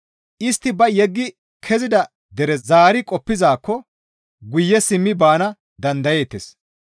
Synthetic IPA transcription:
ʔɪst̪ːɪbɐjɛɡːɪ | kʰɛzɪd̪ɐ | d̪ɛɾɛzaːɾɪkʼɔpːɪzaːkːɔ | ɡʊjːɛsɪmːɪbaːnɐ | d̪ɐnd̪ɐje̞ːt̪ːes

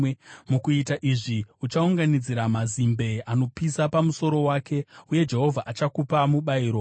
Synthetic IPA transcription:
mukuitaʔiʐiut͡ʃauŋɡanid͡ziɾamazimbe̞ano̞pisapamuso̞ɾo̞waːke̞uje̞d͡ʒe̞ɦo̞vʱaʔat͡ʃakupamuɓaiːɾo̞

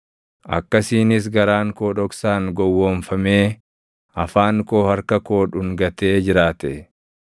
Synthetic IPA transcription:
ʔɐ̰kːɐsiːnɪs̬ɡɐɾaːŋkoːᶑɔksaːŋɡɔwːoːnfɐmeː | ɐfaːŋko̞ːhɐɾkɐko̞ːᶑʊŋɡɐt̪e̞ːd͡ʒɪɾaːt̪ɛ

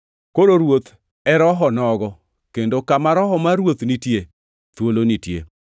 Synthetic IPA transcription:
koɾoɾwot̪ | ɛɾɔɦɔnɔɡɔ | kendokamaɾɔɦɔmaɾwot̪nitje | t̪wolonitjḛ

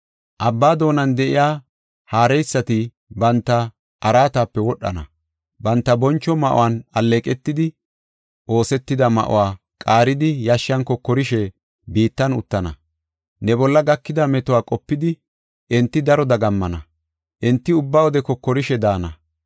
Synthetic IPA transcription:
ʔɐbːaːd̪o̞ːnɐnd̪ɛʔɪjaː | haːɾɛjsːɐt̪ɪ | bɐnt̪ːɐ | ʔɐɾaːt̪aːpːɛwɔɗːɐ̰nɐ̰ | bɐnt̪ːɐbɔnt͡ʃːɔmɐʔʊ̰wanɐlːeːkʼɛt̪ːɪd̪ɪ | ʔo̞ːsɛt̪ːɪd̪ɐmɐ̰ʔɔ̰waː | kʼaːɾɪd̪ɪjaʃɐŋkɔkːɔɾɪʃɛ | biːt̪ːɐnʊ̰t̪ːɐnɐ̰ | nɛbɔlːɐɡɐkːɪd̪ɐmɛt̪ɔwaːkʼɔpːɪd̪ɪ | ɛnt̪ːɪd̪ɐɾɔd̪ɐɡɐmːɐnɐ | ʔɛnt̪ːɪʊbːawɔd̪ɛkɔkːɔɾɪʃɛd̪aːnɐ

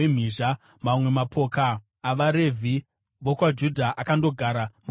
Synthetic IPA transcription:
em̤iːʒa | mamwe̞mapʰo̞ːkaː | ʋaɾe̞vʱi | ʋokwad͡ʒudʱaʔakando̞ɡʱaɾamu

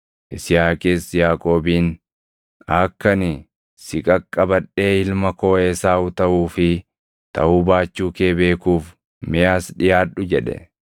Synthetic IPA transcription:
ʔɪsɪjaːkʼeːsjaːkʼo̞ːbiːn | ɐkːɐnɪ | sɪkʼɐkʼːɐbɐᶑːeːɪlmɐko̞ːeːsaːʊt̪ɐʔuːfɪ | t̪ɐ̰ʔuːbaːt͡ʃːuːkeːbe̞ːkuːf | mɪjaːsᶑɪjaːᶑʊd͡ʒɛᶑɛ̰

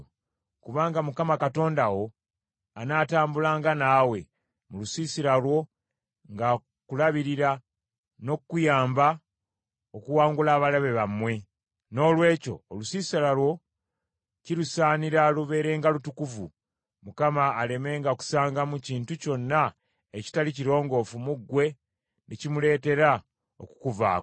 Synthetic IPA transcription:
kuβaːŋɡamukamakato̞ːndawo̞ | anaːtaːmbulaːŋɡanaːwe̞ | mulusiːsiɾalwo̞ | ŋɡa | kulaβiɾiɾa | no̞kujaːmba | okuwaːŋɡulaːβalaβeβamːwe̞ | no̞ːlwe̞ːco̞̰ːlusiːsalalwo̞ | ciɾusaːniɾaluβe̞ːɾe̞ːŋɡalutukuvu | mukamaːle̞me̞ːŋɡaku̥saːŋɡamuciːntuco̞nːa | eci̥taliciɾo̞ːŋɡo̞fumuɡwe̞ | necimule̞ːte̞ɾa | o̰ku̥kuva̰ː

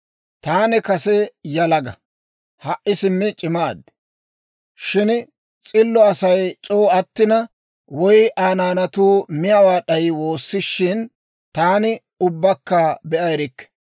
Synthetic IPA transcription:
t̪aːnɪkɐsɛjɐlɐɡɐ̰ | hɐʔɪsɪmːɪt͡ʃʼɪmaːd̪ | ʃɪn | t͡sʼɪlːɔɐsɐjt͡ʃʼoːɐt̪ːɪnɐ | wɔjʔaːnaːnɐt̪uːmɪjɐwaːɗɐjɪwo̞ːsːɪʃːɪn | t̪aːnɪ | ʊbːɐkːɐbɛʔɐjɾɪkːɛ̥

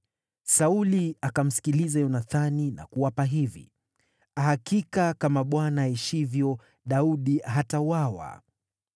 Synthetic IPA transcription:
sauliakam̩si̥kilizajɔnaθanina̰kuwapaɦivḭ | aɦakikakamaɓwanaiʃivjɔ | ɗauɗiɦatauwawa̰

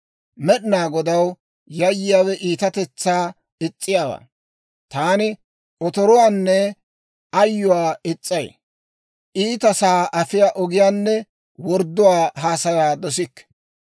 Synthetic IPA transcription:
mɛɗnaːɡɔd̪ɐw | jɐjːɪjaːwɛʔiːt̪ɐt̪ɛt͡sːaː | ɪt͡sʼːɪjaːwa̰ | t̪aːnɪ | ʔɔt̪ɔɾɔwaːnːɛ | ɐjːʊwaːɪt͡sʼːɐj | ʔiːt̪ɐsaːʔɐfɪjaːʔɔɡɪjaːnːɛ | wɔɾd̪ːʊwaːɦaːsɐɾaːd̪ɔs̬ɪkː

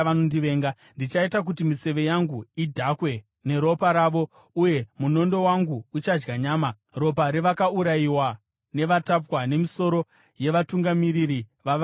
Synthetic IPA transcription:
anondiʋe̞ːŋɡa | ndit͡ʃaitak̬utimise̞ʋe̞jaŋɡuidʱakwe̞ | ne̞ɾo̞paɾaːʋo̞ | uje̞muno̞ndo̞waŋɡuːt͡ʃad͡ʒɡaɲaːma | ro̞p̬aɾeʋakauɾaiwa | ne̞ʋatapwane̞miso̞ɾo̞ | je̞ʋatuŋɡamiɾiɾiʋa

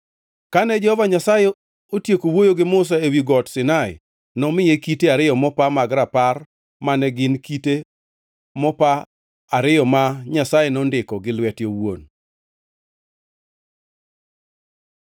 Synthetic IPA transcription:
kanɛd͡ʒɛhɔvaɲasaje | otjekowojoɡɪmʊs̬aewiɡɔtsɪnaɪ̰ | nɔmɪjekiteaɾɪjɔmɔpamaɡɾapar | manɛɡɪnkite | mɔpa | aɾɪjɔmaɲasajenɔndɪkɔɡɪlwɛtjowon

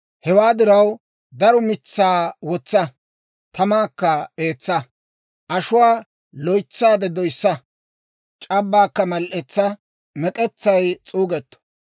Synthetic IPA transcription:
hɛwaːd̪ɪɾɐw | d̪ɐɾɔmɪt͡sːaːwɔt͡sːɐ | t̪ɐmaːkːɐeːt͡sːɐ | ʔɐʃʊwaː | lɔjt͡sːaːd̪ɛd̪ɔjsːɐ | t͡ʃʼɐbːaːkːɐmɐlʔɛt͡sːɐ | mɛkʼɛt͡sːɐjt͡sʼuːɡɛt̪ːɔ̥

